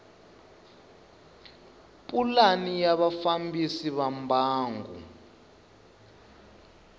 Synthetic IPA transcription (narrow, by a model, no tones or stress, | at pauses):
pʼulanijaβafambisiβambʱaːŋɡṵ